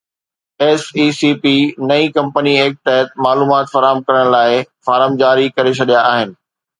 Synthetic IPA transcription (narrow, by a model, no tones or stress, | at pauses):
eːsiːsiːpinɐikɐ̃mpənieːk̚t̪ɐɦət̪̚maːluːmaːt̪fɐɾaːɦəmkɐɾəɽ̃laːɪfaːɾəmd͡ʑaːɾikɐɾet͡ɕʰɐɗijaːɦɪnɪ̆